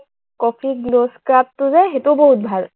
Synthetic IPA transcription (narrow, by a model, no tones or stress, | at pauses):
kɔpʰiɡloskɹap̚tʊzɛxetʊboɦut̚bʱal